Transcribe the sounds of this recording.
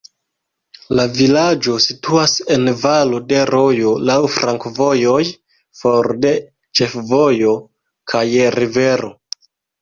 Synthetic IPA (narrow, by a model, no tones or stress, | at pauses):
lavilad͡ʒo̞situase̞nvalo̞de̞ɾʔo̞jo̞lawfɾaŋkvo̞jo̞j | foɾde̞ | t͡ʃe̞fvojo̞ | kʰajɾive̞ɾo̞̰